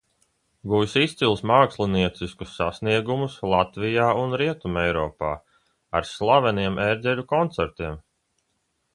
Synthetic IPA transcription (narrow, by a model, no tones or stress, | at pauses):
ɡujsist̪silˠsmaːkslˠiniɛt̪siskusːasniɛɡumuslˠat̪vijaːunɾiɛt̪umɛjɾɔːpaː | aɾslˠavɛniɛmeɾd̪zʲɛlʲukɔnt̪sɛɾt̪iɛm